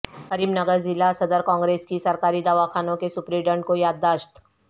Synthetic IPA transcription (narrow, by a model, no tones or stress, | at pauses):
ɦɐɾiːbnɐɡəɾzɪlːasɐd̪əɾkãːŋɡɾeːskisɐɾkaːɾid̪aːʋakʰaːnõkesʊpɾiɖə̃ɳɖkojaːd̪ːaːʃt̪